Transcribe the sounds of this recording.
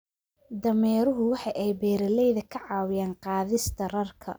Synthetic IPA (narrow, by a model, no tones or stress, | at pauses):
d̪ɐmɛːɾʊɦʊwɑħɑjʔɛjbɛːɾɐlɛjðɐkʰɐʕɑːwɪjaːnqɑːðɪst̪ʰɐrɐrkʰɐ̰